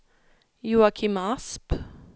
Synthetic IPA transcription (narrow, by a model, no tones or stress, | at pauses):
juːakʰimasp